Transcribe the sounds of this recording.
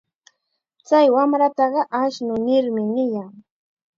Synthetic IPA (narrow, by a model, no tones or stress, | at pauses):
t͡sajwamɾat̪ɑɢɑʔaʃnʊnɪɾmɪnɪjaŋ